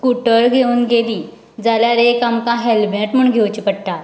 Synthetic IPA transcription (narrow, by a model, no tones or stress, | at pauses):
kuʈəɾɡʱeuːnɡeliː | d͡zaljaɾekamkãɦelbɛ̃ʈm̤əɳɡʱewt͡ɕipəɽʈa